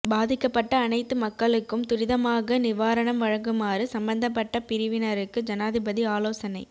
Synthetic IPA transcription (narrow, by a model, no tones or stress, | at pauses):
baːðɪkːɐpːɐʈːɐːnɐɪt̪ːɯmɐkːɐɭɯkːɯmt̪ʊɾɪðɐmaːɣɐnɪʋaːɾɐɳɐmʋɐɻɐŋɡɯmaːɾɯsɐmbɐnd̪ɐp̬ːɐʈːɐpɪɾɪʋɪnɐɾɯkːɯd͡ʒɐnaːðɪbɐðiaːloːsɐnɐɪ